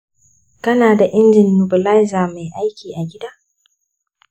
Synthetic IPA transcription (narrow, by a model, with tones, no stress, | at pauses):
kɐ˦naː˨da˨ʔɪ˦nd͡ʒɪ˨nːʊ˨bɪ˨la˦jzaː˨ma˨jʔa˦jkʲiː˨ʔa˨ɡʲɪ˦daː˦